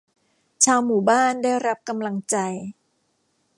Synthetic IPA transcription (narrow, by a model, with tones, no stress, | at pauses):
t͡ɕʰaː˧wmuː˨˩˦baː˥˩ndaː˥˩jɾa˦˥p̚ka˧mla˧ŋt͡ɕa˧j